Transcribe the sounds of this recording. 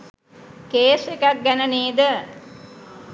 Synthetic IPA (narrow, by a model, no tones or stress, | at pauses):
keːsekak̚ɡænəneːd̪ə